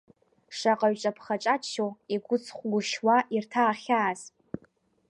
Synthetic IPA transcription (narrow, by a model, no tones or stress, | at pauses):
ʂaqʼaɥt͡ʃʷʼapʰχat͡ʃʼat͡ʃʰoiɡʷʊt͡sʰχʷɡʷʊʃwaʔirtʰaːχʲaːz